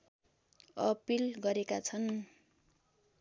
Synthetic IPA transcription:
ʌpilɡʌɾekat͡sʰʌn

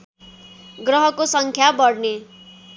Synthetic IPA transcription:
ɡɾʌɦʌkosʌŋkʰjabʌɽne

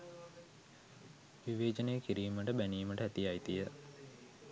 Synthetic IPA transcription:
ʋiʋeːd͡ʒənejəkiɾiːməʈəbæniːməʈəɦæt̪ijajt̪ijə

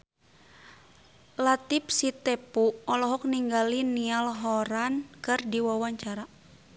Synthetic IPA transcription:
lat̪ip̚sit̪ɛpuɔlɔɦɔk̚niŋɡalinialɦɔɾankɨrdiwawaɲt͡ʃaɾa

